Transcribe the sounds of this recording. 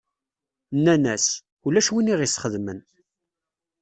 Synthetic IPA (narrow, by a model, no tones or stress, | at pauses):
nːænæs | ulæʃwiniʁisχəðmən